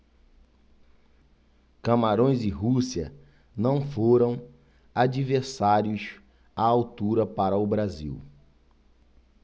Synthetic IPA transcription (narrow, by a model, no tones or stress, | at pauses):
kɐmaɾõj̃zdɪɦusiɐ̰ | nɐ̃w̃foɾɐ̃w̃ | ad͡ʒiveɾsaɾjʊs | aawt̪uɾɐpaɾɐʊbɾazḭw